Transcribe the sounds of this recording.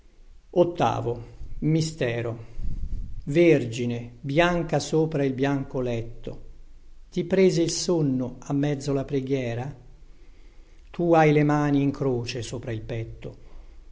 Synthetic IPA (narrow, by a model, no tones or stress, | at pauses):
ot̪ːa̰ːvomist̪ɛːɾo | verd͡ʒinebjaŋkasoːpɾailbjaŋkolɛt̪ːo̰t̪ipɾeːzeilsonːoamːɛd̪zːolapɾeɡjɛːɾa | t̪uajlemaːniːŋkɾoːt͡ʃesoːpɾailpɛt̪ːo